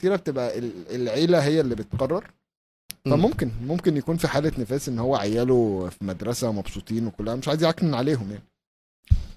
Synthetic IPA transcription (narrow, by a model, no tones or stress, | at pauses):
t̪iːɾæb̚t̪ebʔæʔelelʕeːlæɦejːælːibet̪qɑrˤːɑɾˤ | fæmomkenmomkenjækuːnfiħaːlænefæːsʔenːohowːæʕajːæːlofimæd̪ɾˤɑsæmɑbsˤuːt̪ˤiːnwekolːæhæmeʃʕajziʕaknenʕaleːɦomjaʕni